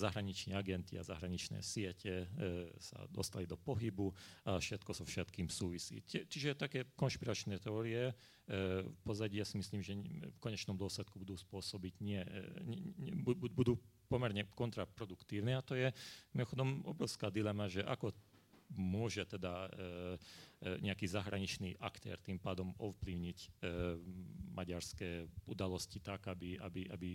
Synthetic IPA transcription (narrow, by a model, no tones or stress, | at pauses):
zaɦɾaɲit͡ʃnɛːaɡɛnt̪ia̰za̰ɦɾaɲit͡ʃnɛ̰ːsɪɛcɛsa̰d̪ɔ̰st̪alid̪ɔpɔɦibuafʃɛt̪kɔzɔfʃɛt̪kiːmsuːʋisḭːt͡ʃɛt͡ʃiʒɛt̪akɛːkɔnʃpiɾat͡ʃnɛːt̪ɛɔɾiɛ | pɔzaɟijasimisliːmʒɛfkɔɲɛt͡ʃnɔmd̪ʊɔslɛt̪kubud̪uːspʊɔsɔbiɟɲɪɛɲɛbbud̪uːpɔmɛɾɲɛkɔnt̪ɾapɾɔd̪ukt̪iːʊnɛat̪ɔjɛmimɔxɔd̪ɔmɔ̰bɾɔʊskaːd̪ilɛmaʒɛʔa̰kɔ | mʊɔʒɛt̪ɛd̪a | ɲʔɛakiːzaɦɾa̰ɲit͡ʃniːʔa̰kt̪ɛ̰ːɾt̪impaːd̪ɔmɔfpliʊɲic | mʔaɟaɾskɛːud̪alɔscit̪aɡabia̰biʔabi